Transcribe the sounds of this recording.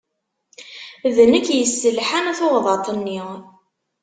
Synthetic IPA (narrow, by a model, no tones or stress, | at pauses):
ðənəkːjəsːəlħanæθoʁðˤɑt̪ˤənːi